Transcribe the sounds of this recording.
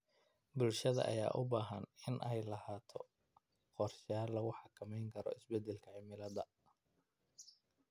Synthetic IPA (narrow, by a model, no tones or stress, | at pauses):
bʊlʃɐðɐ̰ʔɐ̰ja̰ːʔʊbaːɦɐnɪnʔɛjlɐhaːt̪ʰɔ | qɔrʃaːlːɐɣʊħɑkʰɐmɛjŋkʰɐɾɔ̰ɪsbɛd̪ːɛlkʰɐʕɪmɪlɐðɐ